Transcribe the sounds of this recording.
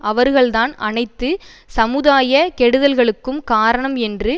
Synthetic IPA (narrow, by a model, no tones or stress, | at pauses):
ʔɐʋɐɾɣɐɭt̪aːnɐnɐɪt̪ːɯ | sɐmɯðaːjɐkɛɽɯðɐlɣɐɭɯkːɯmkaːɾɐɳɐmɛndrɯ